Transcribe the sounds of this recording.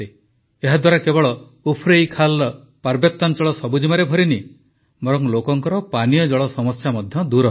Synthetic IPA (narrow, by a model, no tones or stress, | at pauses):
e | eɦad̪waɾakebɔɭɔ | upʰɾejkʰal | paɾbjɔt̪ːant͡ʃɔɭɔsɔbud͡ʒimaɾebʱɔɾini | bɔɾɔŋlokɔŋkɔɾɔpanijɔd͡ʒɔɭɔsɔmɔsjamɔd̪ʱjɔd̪uɾɔ